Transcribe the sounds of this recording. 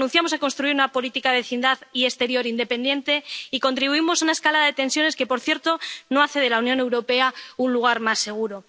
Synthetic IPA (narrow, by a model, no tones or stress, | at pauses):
ũn̟θjamo̞sako̞nst̪ɾuiɾunapo̞lit̪ikaðeβeθind̪aðie̞st̪e̞ɾjo̞ɾind̪e̞pe̞nd̪je̞nt̪e̞iko̞nt̪ɾiβuimo̞saunaeskalaðaðet̪e̞nsjo̞neske̞po̞ɾθjeɾt̪o̞no̞aθe̞ðe̞launjone̞wɾo̞pe̞aunluɣ̞aɾmasːe̞ɣ̞uɾo̞